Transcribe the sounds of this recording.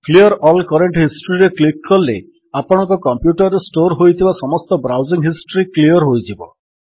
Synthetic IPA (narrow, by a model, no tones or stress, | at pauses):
kliɔɾɔlkɔɾeɳʈɦisʈɾiɾeklikːɔlːḛ | apɔɽ̃ɔ̃ŋkɔkɔmpjuʈɔɾɾesʈoɾɦojt̪ʰibasɔmɔst̪ɔbɾawziŋɦisʈɔɾikliɔɾɦojd͡ʒʰibɔ